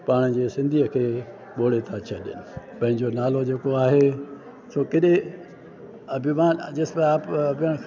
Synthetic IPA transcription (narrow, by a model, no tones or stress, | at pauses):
paːɽ̃d͡ʑeːsɪ̃nd̪ʱiəkʰeː | ɓoːɽet̪ʰat͡ɕʰɐɗɪ̰nɪ | pɐ̃ɦɪ̃ɲd͡ʑonaːlod͡ʑeːkoaːɦe | soːkɪɗẽ | ɐbʱimãːd͡ʑɪsmeaːpɐbʱəɽ̃